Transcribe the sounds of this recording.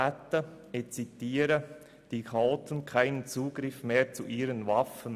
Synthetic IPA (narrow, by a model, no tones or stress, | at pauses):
æt̪ːə | et͡sitiːɾə | d̥iːkʰaoːtən̩kʰaɪnənt͡suːɡɾɪfmeːɾt͡suʔiːɾənvɑfən